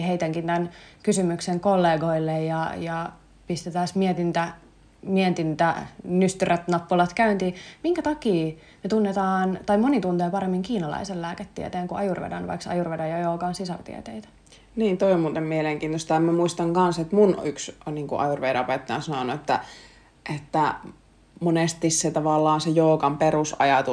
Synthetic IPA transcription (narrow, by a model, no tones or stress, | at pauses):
heit̪æŋkint̪ænkysymykseŋkolːeːɡoilːejjɑjɑ | pist̪et̪æsmiet̪int̪æ | mient̪int̪ænyst̪yræt̪nɑpːulɑt̪kæynt̪iːmiŋkæt̪ɑkiː | met̪unːet̪ɑːnt̪ɑimonit̪unt̪eːpɑɾemːiŋkiːnɑlɑ̰isellæːket̪ːḭet̪eːŋkuʔɑjurʋḛdɑ̰nʋɑ̰iksɑ̰jurʋedɑjɑjoːkɑːnsisɑ̰rt̪ḭæ̰t̪eit̪æ̥ | niːnt̪oiommuːt̪emmieleŋkiːnt̪ost̪æemmæmuist̪ɑŋkɑnset̪munyksniːŋkṵʔɑ̰jurʋeidɑopet̪ːɑjɑ̰nsɑnonuet̪ːæ̰ | ʔet̪ːæ | monest̪isset̪ɑʋɑlːɑːnsejoːkɑmperusɑ̰jɑt̪u